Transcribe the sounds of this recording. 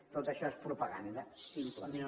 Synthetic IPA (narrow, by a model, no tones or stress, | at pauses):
t̪ot̪əʃɔespɾupɐɣa̰nd̪əsimpləmin